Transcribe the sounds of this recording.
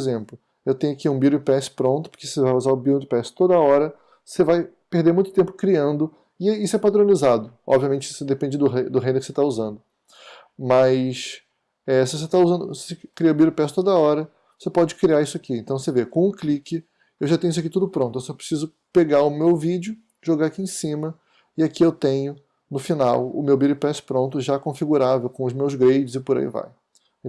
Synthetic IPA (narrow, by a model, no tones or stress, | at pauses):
pezẽmplʊ | ewt̪ẽjʊakiũbiɾʊd͡ʒɪpɛsɪ̥pɾõnt̪ʊpʊ̥kessevajuzaɾʊbiɾʊ̃d͡ʒɪpɛsɪ̥t̪od̪ɐɔɾɐ | sevaj | pehd̪eɾmũj̃t̪ʊ̥t̪ẽmpʊ̥kɾiɐ̃nd̪ʊ | ɪisʊɛpad̪ɾõnizad̪ʊɔ̰bviɐmẽnt͡ʃɪsed̪epẽd͡ʒɪd̪ʊɦed̪ʊɦẽd̪eɾkɪset̪auzɐ̃nd̪ʊ | mɐs | ɛsɪvos̬et̪auzɐ̃nd̪ʊsesekɾiɐʊbiɾʊpɛsɪ̥t̪od̪ɐɔɾɐ | vosepɔd͡ʒɪkɾiaisʊakiẽnt̪ɐ̃w̃sevekõũklikɪ | ewʒat̪ẽj̃is̬akit̪ud̪ʊpɾõnt̪ʊewsɔpɾe̥sizʊ | peɡaɾʊmewvid͡ʒʊ | ʒoɡaɾakiẽsĩmɐ | ɪakiewt̪ẽɲʊ | nʊfinawʊ̰mewbiɾʊpɛspɾõnt̪ʊʒakõfiɡuɾavewkõʊzmewzɡɾejd͡ʒɪzɪpʊɾa̰ḭva̰j